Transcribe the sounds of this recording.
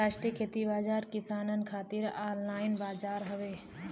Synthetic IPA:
aːʃʈɾiəkʰeːt̪ibaːd͡ʒaːɾkɪsaːnənkʰaːt̪ɪɾaːllaːɪnbaːd͡ʒaːɾɦəʋeː

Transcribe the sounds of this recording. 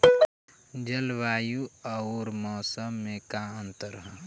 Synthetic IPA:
d͡ʒəlʋaːjuəoɾmɔːsəmːẽkaə̃nt̪əɾɦə

